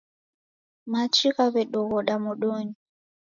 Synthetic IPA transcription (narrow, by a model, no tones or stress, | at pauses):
mat͡ʃiɣaβɛɗɔɣɔɗamuɗoɲi